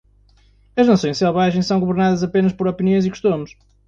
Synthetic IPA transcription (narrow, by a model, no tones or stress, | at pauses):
ɐʒnɐsõj̃ʃsɛlˠβaʒẽj̃sɐ̃w̃ɡuβɨɾnaðɐzɐpenɐʃpɔɾɔpiniõj̃zikʃt̪omʊʃ